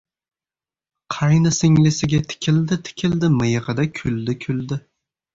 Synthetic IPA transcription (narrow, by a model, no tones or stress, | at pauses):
qʰɑjnɨsɪŋlɪsɪɡʲɛt̪ʰɪ̥kʲʰɪld̪ɪt̪ʰɪ̥kʲʰɪld̪ɪmɨjɨʁɨd̪akʲʰyld̪ɪkʲʰyld̪ɪ